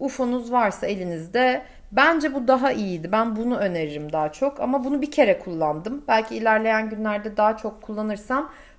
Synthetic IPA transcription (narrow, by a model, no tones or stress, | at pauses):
ufonuzvaɾsae̞lʲinizd̪ɛ | bænd͡ʒɛbud̪aɦaʔijid̪ibænbunuø̞ne̞ɾiɾimd̪aːat͡ʃʰo̞kʰa̰mabunubicʰe̞ɾɛkʰulˠːand̪ɯmbælʲcʰiːlʲæɾlʲe̞jænɟynlʲæɾd̪ɛd̪aɦat͡ʃʰo̞kʰːulˠːanɯɾsam